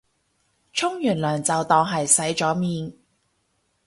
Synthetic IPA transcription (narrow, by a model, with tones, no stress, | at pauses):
t͡ʃʰʊ˥ŋjyː˨˩nlœː˨˩ŋt͡sɐ˨wt̪ɔː˨ŋɦɐ˨jsɐ˨˥jt͡ʃɔː˨˥miː˨˧n